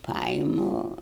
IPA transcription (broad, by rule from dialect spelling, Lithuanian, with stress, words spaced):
ˈpɐɪmʊ